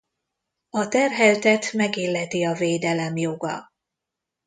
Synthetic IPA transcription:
ɒt̪ɛrɦɛlt̪ɛt̪mɛɡeːlːɛt̪iɒveːd̪ɛlɛmjoɡɒ̰

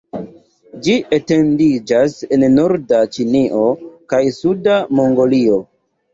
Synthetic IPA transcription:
d͡ʒiʔete̞ndid͡ʒase̞nno̞ɾdat͡ʃiniʔo̞kajsudamo̞ŋɡo̞lio̞

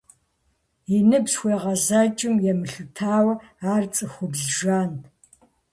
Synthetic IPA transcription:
inɨbsxʷeːʁɐzat͡ʃʼɪmjɛmɨɬɨtʰaːwɐ | aːrt͡sʼɨxʷʊbzʒaːnt

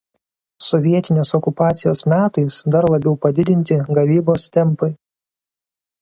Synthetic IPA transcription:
sɔʋʲiɛt̪ʲɪnʲeːsɔkʊpɑːt̪sʲɪjoːsmʲæːt̪ɐɪsd̪ɐɾlˠɐbʲɛʊpɐd̪ʲɪd̪ʲɪnʲt̪ʲɪɡɐʋʲiːboːst̪ʲɛmˑpɐɪ

